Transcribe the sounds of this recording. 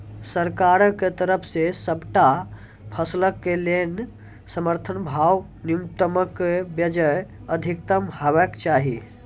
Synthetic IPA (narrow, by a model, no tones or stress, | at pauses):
səɾkaɾket̪əɾəpʰsesəbʈa | pʰəsləkːelen | səməɾt̪ʰənbʱaw | niumt̪əməkːebjəd͡ʒəjəd̪ʱikt̪əmɦəbəkt͡ʃaɦi